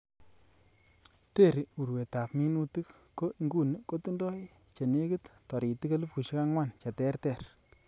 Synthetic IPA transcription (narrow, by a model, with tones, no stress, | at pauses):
te˦˨ɾi˨u˨ɾwe˨ta˨pmi˦nu˦tɨ˦kːo˦ʔi˦ŋɡu˦nɨ˦ko˦tu˦ndɔ˦ɪ˦ | t͡ʃe˨ne˦kɨ˦ttɔ˨ɾi˨ti˦ka˦lu˦fu˨ʃi˦ka˦ŋwa˦˨nt͡ʃa˨tɛ˦rtɛ˦˨ɾ